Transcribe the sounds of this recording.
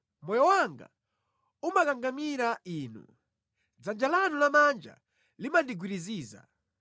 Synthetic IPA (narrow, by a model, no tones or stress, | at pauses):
mɔjɔwaŋɡa̰ | umakaŋɡamiɾaiːnṵ | d͡zand͡ʒalanulamand͡ʒa̰ | limandiɡwiɾiziːza̰